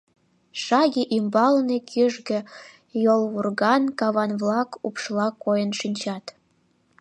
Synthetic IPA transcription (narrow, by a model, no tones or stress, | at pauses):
ʃɑɣiʔimbɑlnekʰyʒɣĕ | jolβurɣɑnkɑβɑnβlɑkupʃlɑkojənʃinʲt͡ɕɑt̪